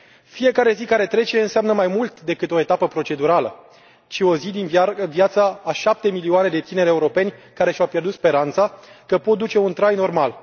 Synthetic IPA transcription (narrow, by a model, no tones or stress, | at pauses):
fije̞kaɾe̞zikaɾe̞t̪ɾe̞t͡ʃeɨnseamnəmajmult̪d̪e̞kɨt̪o̞e̞t̪apəpɾo̞t͡ʃe̞d̪uɾalə | t͡ʃio̞zid̪invjat̪saaʃap̚t̪e̞milioane̞d̪e̞t̪ine̞ɾeuɾo̞pe̞nʲkaɾe̞ʃawpje̞rd̪ut̪spe̞ɾant̪sakəpo̞t̪̚d̪ut͡ʃe̞unt̪ɾajno̞rmal